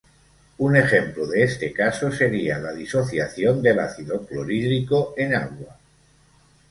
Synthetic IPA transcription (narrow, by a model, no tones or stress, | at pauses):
une̞xe̞mploðeest̪ekasose̞ɾialaðiso̞θjaθjond̪ela̰θiðokloɾiðɾikoenaɣwa